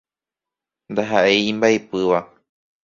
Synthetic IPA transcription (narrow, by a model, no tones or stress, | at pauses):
nd̪aɦaʔeĩmbaepɨʋa